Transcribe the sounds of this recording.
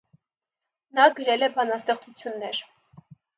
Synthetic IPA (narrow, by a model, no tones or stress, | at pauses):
nɑɡəɾɛlɛbɑnɑst̪ɛχt͡sut͡sʰjunːɛɾ